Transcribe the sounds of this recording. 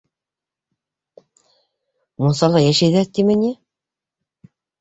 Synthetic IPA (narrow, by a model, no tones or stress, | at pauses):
mosɑlˠɑjæʃæjðæt̪imɘ̆nʲi